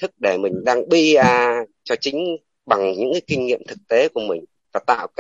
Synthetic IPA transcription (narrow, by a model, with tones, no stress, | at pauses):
t̪ʰɨ˦˥k̚ɗe˧˩mï˨˩ŋ̟ɗaː˧ŋɓi˧aː˧˩t͡ɕɔ˧t͡ɕï˨˦ŋ̟ | ɓa˨˩ŋɲɨ̰˧˥ŋkaː˨˦kï˧ŋ̟ŋḭ˧˨əmt̪ʰɨ˨˩k̚t̪e˨˦ku˧˩əmï˨˩ŋ̟ | vaː˨˩t̪a̰ː˧˨wkː